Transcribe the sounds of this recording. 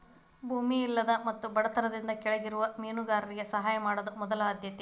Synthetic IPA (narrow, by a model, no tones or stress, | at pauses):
bʱuːmiːlːɐd̪ɐmɐt̪ːubɐɽɐt̪ɐɾɐd̪ind̪ɐkɛɭeɡiɾuʋɐmiːnuɡaːɾɐɾiɡe̞sɐɦaːjɐmaːɽud̪umɔd̪ɐlɐːd̪ʱjɐt̪je